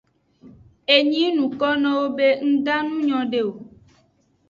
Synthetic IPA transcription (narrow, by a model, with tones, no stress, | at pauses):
e˨ɲĩ˦nũ˨kɔ˦nɔ̃˦wo˦be˦ŋ̩˦ɖa˦nũ˦ɲɔ̃˨ɖe˦˨wo˨